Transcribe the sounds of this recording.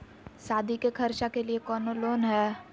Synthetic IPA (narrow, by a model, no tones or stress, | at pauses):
saːd̪ʱikekʰɐɾʃakeliekɔːnoloːnɦɛː